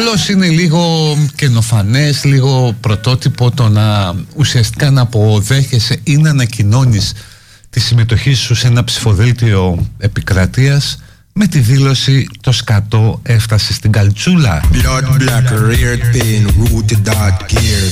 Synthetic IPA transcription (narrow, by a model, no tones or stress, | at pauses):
ɐlo̞sine̞liɣo̞ce̞no̞fɐne̞sliɣo̞pɾo̞t̪o̞t̪ipo̞t̪o̞nɐusiɐst̪i̥kɐnɐpoðe̞çe̞se̞ineɐnɐcino̞nis | t̪isime̞t̪o̞çisuse̞nɐpsi̥fo̞ðilt̪io̞e̞pikɾɐt̪iɐs | me̞t̪iðilo̞sit̪o̞skɐt̪o̞e̞ft̪ɐse̞st̪iɡɐlt͡sulɐ̰blɐd̪blakɾiɾt̪inɾut̪d̪aɡiɾ